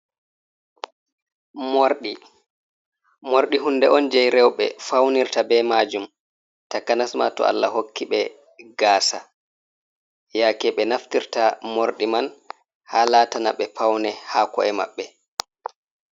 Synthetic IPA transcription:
moɾɗi | moɾɗiɦundɛʔɔnd͡ʒɛjɾɛwɓɛfawniɾtabɛmaːd͡ʒum | takːanasma̰tɔ̰a̰lːaɦokʰːiɓɛ | ɡaːsa̰ | jakɛɓɛnaftiɾtamoɾɗiman | haːlaːtanaɓɛpʰawnɛhakɔ̰ɛma̰ɓːɛ

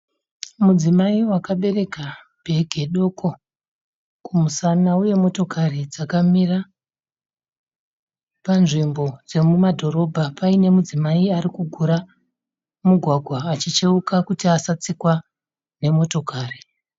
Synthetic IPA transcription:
mud͡zimaiwakaɓe̞ɾe̞ka | b̥ʱe̞ɡʱe̞ɗo̞ko̞ | kumusanauje̞mo̞to̞kʰarid͡zakamira | panʐimbo̞d͡ze̞mumadʱo̞ɾo̞bʱapaine̞mud͡zimaiaɾikuɡʱuɾa | muɡʱwaɡʱwaːt͡ʃit͡ʃeukakutiasat͡sikwa | ne̞mo̞to̞kaːri

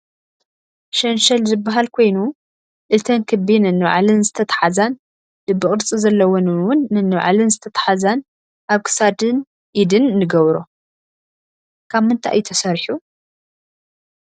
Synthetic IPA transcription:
ʃɐnʃɐlzɨbːaɦalkʰo̞jnu | ʔɨt̪ʰɐnkʰɨbinɨnːɨβʕalɨnzɨt̪ʰɐt̪ʰħazan | dɨbːɨχʼɨɾt͡sʼizɐlːɐwonwʊnːɨnːɨβʕa̰lɨnzɨt̪ʰɐt̪ʰħazan | ʔaβkʰɨ̥sad̪ɨn | ʔid̪ɨnːɨɡɐβɾo | kʰaβmɨnt̪ʰa̰ʔa̰jːt̪ʰɐsɐɾħu

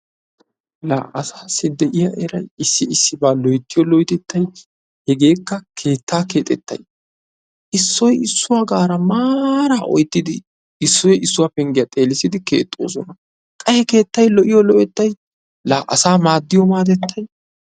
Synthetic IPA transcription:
la̰ːʔɐsaːsɪd̪ɛʔɪjɐʔɛɾɐ̰jɪsːɪɪsːɪbaːlɔjt̪ːɪjɔlɔjt̪ɛt̪ʰːɐj | hɛɡe̞ːkːɐkʰe̞ːt̪ːaːke̞ːt̪ʼɛt̪ːɐ̰j | ʔɪsːɔjɪsːʊwaːɡaːɾɐmaːɾaːʔɔ̰jt̪ːɪd̪ɪ | ɪsːɔjɪsːʊwapɛŋɡɪjɐt̪ʼe̞ːlɪsɪd̪ɪke̞̰ːt̪ʼːo̰ːsɔnɐ | kʼɐhɛke̞ːt̪ːɐjlɔʔɪjɔlɔʔɛt̪ːɐj | laːʔɐsaːmaːd̪ːɪjɔmaːt̪̬ɛt̪ːɐj

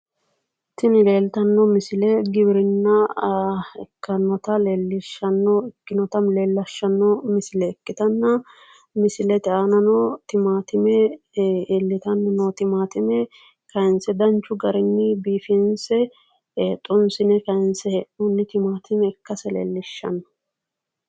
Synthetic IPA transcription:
t̪ɪnɪleːlt̪ɐnːɔmɪsɪlɛɡɪbɪɾɪnːɐ | ɛkːɐnɔt̪ɐleːlːɪʃːɐnːɔɪkːɪnɔt̪ɐmleːlːɐʃːɐnːɔmɪsɪlɛːkːɪt̪ɐnːɐ | mɪsɪlɛt̪ɛʔanɐnɔt̪ɪmaːt̪ɪmɛ | lːɪt̪ɐnːɐnot̪ɪmaːt̪ɪmɛ | kɐɪnsɛd̪ɐnt͡ʃːʊɡɐɾɪnːɪbiːfɪnsɛ | eːt̪ʼːʊnsɪnɛkɐɪnsɛhɛʔʊnːɪt̪ɪmaːt̪ɪmɛːkːɐsɛlḛːlːɪʃːɐ̰nːɔ̥

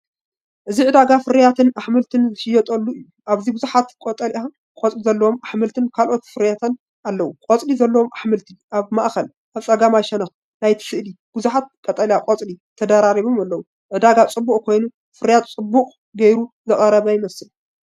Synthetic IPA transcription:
ʔɨziʕɨd̪aɡafɨɾjat̪ʰɨnaħmɨlt̪ʰɨnzɨʃɪjːɛt̪ʼɐlːuɨjːuʔaβzibɨzuħat̪kʼot̪ʼɐlʔa | kʼot͡sʼlizɐlːɐwomaħmɨlt̪ʰɨnkʰalʔo̞t̪fɨɾjat̪ʰɐn | ʔalːɐwukʼot͡sʼlizɐlːɐomʔaħmɨlt̪ʰɨʔaβmaʔxɐl | ʔaβt͡sʼɐɡamajʃɛnɐx | najt̪ʰɨ̥sɨʔli | b̥ɨzuħat̪̚kʼɐt̪ʼɐljakʼot͡sʼlit̪ʰɐd̪aɾaɾiβomalːɐwu | ʕɨd̪aɡat͡sʼɨbːukʼkʰo̞jnu | fɨɾjat̪t͡sʼɨbːuqʼ | ɡɐjɾu | zɐχʼɐɾɐβɐjɪmɐsɨl

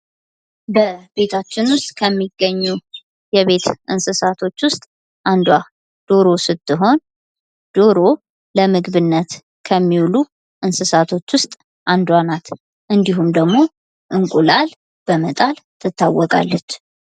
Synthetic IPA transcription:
bəbe̞t̪ʰat͡ʃːɪnwʊst̪ʼkʰəmːiɡəɲːu | jɛβe̞t̪ʔɨnsɨsat̪ʰo̞t͡ʃːwʊst̪ʼ | ʔand̪wa | d̪̥o̞ɾo̞sɨt̪ːɨɦo̞n | d̪̥o̞ɾo̞ | ləmɨɡβɨnːət̪ | kʰəmːiwlu | ʔɨnsɨsat̪ʰo̞t͡ʃːwʊst̪ʼ | ʔand̪wanat̪ | ʔɨnd̪iɦumd̪əɡmo̞ | ʔɨŋkʼulal | b̥əmət̪ʼalt̪ʰɨt̪ːawːɔkʼa̰lːət͡ʃː

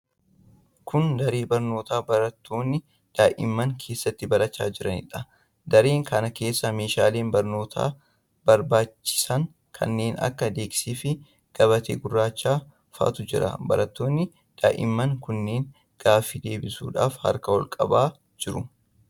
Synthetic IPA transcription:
kʊnd̪ɐɾeːbɐɾno̞ːt̪aːbɐɾɐt̪ʰːo̞ːnːɪ | d̪̥aːʔɪ̰mːɐŋkʰe̞ːsːɐt̪ːɪbɐlɐt͡ʃːaːd͡ʒɪɾɐ̰nɪ̰ᶑɐ | d̪ɐɾe̞ːŋkɐnɐke̞ːsːɐme̞ːʃaːle̞ːnbɐɾno̞ːt̪ʰa̰ː | b̥ɐɾbaːt͡ʃːɪ̥sɐŋ | kʰɐ̰nːe̞ːnɐ̰kːɐd̪e̞ːksiːfɪ | ɡ̥ɐβɐt̪ḛːɡʊrːaːt͡ʃːaː | fa̰ːt̪ʊd͡ʒɪɾɐ̰bɐ̰ɾɐt̪ːo̞ːnːɪ | d̪̥a̰ːʔɪ̰mːɐŋkʊnːe̞ːŋ | ɡ̥aːfːɪd̪e̞ːbɪsṵːᶑa̰ːfhɐ̰ɾkɐhɔlkʼɐ̰baː | d͡ʒɪɾʊ

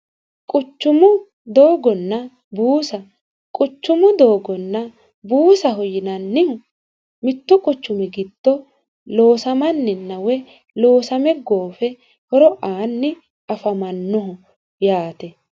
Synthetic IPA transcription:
kʼʊt͡ʃːʊmʊ | d̪oːɡɔnːɐ | buːsɐ | kʼʊt͡ʃːʊmʊd̪oːɡɔnːɐ | buːsɐɦɔjɪnɐnːɪhʊ | mɪt̪ːʊkʼʊt͡ʃːʊmɪɡɪt̪ːɔ | lo̞ːsɐmɐnːɪnːɐwɛ | lo̞ːsɐmɛɡo̞ːfɛ | hɔɾɔʔaːnːɪ | ɐfɐmɐnːɔɦʊ | jaːt̪ɛ

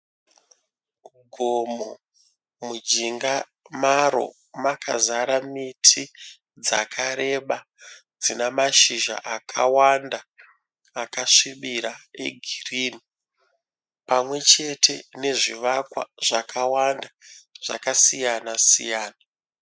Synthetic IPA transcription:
ɡʱomo | mud͡ʒiŋɡa | maɾo̰ | makʰa̰zaɾamitʰi | d͡zakʰaɾe̞ɓa | d͡zinamaʃiʒa̰ʔakʰawandaː | kaʂiɓiɾae̞̰ɡʱiriːni | pamwe̞t͡ʃe̞tʰe̞ne̞ʐiʋakwa̰ʐakʰawandaʐ̥a̰kasijanasḭjaːna

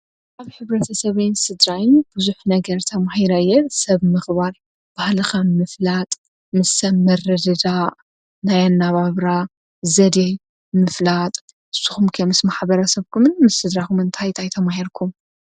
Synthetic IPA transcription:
ʔaβħɨβɾɐt̪ʰɐsɐβajnsɨd̪ɾajɪnbɨzuħnɐɡɐɾt̪ʰɐmahiɾajːɛsɐβmɨxβal | b̥ahlɨxɐmɨflat̪ʼ | mɨsːɐmmɐrɨd̪ɨd̪aʔ | najanːaβaβɾa | zɐd̪ej | mɨflat̪ʼ | ʔɨsːu̥xumkʰɐmɨsmaħbɐɾɐsɐβkʰumɨnmɨsːɨd̪ɾakumɨnt̪ʰajt̪ʰajt̪ʰɐmahiɾkʰum

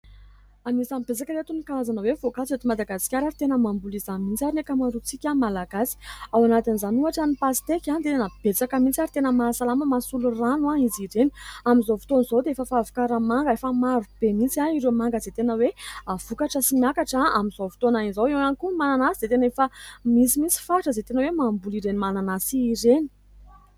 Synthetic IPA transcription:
anisambet͡sakəɾet̪unikaazanəwevokat͡siet̪imad̪aɡasi̥kʲaɾaɾit̪enəmambulizamint͡saɾinekamaɾut͡sikʲamalaɡasi̥awanat̪inizanuaʈ͡ʂanipasi̥t̪ekʲand̪enab̥et͡sakəmint͡siaɾit̪enəmasalaməmasuluranuaiziɾenamizovu̥t̪onizod̪eefəfavu̥kaɾəmaŋɡəefəmaɾub̥emint͡siaiɾemaŋɡəzet̪enəweav̥ukaʈ͡ʂəsimiakaʈ͡ʂaamizovi̥t̪onainzowewanikumananasid̪et̪enefəmit͡simint͡si̥faʈ͡ʂəzet̪enəwemambuliɾenimananasiːɾeni̥

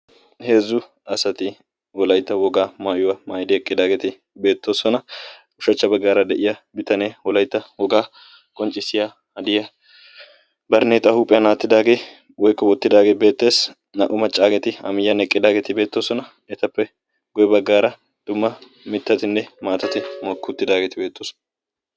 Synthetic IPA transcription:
he̞ːzːʊ | ɐsɐt̪ɪ | wɔlɐjt̪ːɐwɔɡaːmaːjʊwɐmaːjd̪ɪɛkʼːɪd̪aːɡet̪ɪ | be̞ːt̪ːo̞ːsɔnɐ | ʊʃɐt͡ʃːɐbɐɡːaːɾɐd̪ɛʔɪjɐbɪt̪ɐneːwɔlɐjt̪ːɐwɔɡaː | kʼɔnt͡ʃʼːɪsɪja | ɐd̪ɪjɐ | bɐɾneːt̪ʼːɐhuːpʼːɛjɐnaːt̪ːɪd̪aːɡe̞ː | wɔjkːɔwɔt̪ːɪd̪aːɡeːbe̞ːt̪ːe̞ːs | nɐ̰ʔʊmɐt͡ʃʼːaːɡɛt̪ɪɐ̰mɪjːɐnɛkʼːɪd̪aːɡeːt̪ɪbe̞ːt̪ːo̞ːsɔnɐ | ɛt̪ɐpːɛ | ɡɔjɛbɐɡːaːɾɐ | d̪̥ʊmːɐ | mɪt̪ːɐt̪ɪnːɛmaːt̪ɐt̪ɪmɔkːʊt̪ːɪd̪aːɡeːt̪ɪbe̞ːt̪ːoːsɔ̥n

